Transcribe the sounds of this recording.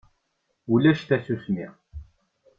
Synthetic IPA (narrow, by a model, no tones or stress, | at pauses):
ulæʃt̪æsusnḭʁ